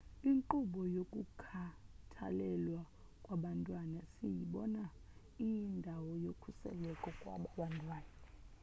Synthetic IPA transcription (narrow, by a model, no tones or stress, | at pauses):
iŋǃuɓɔjokʼukʰatʰa̰lɛlwa | kʼwaɓantʼwanasijiɓɔna | ijindʱawɔjokʰusɛ̰lɛkʼɔkʼwa̰ɓaɓantʼwaːna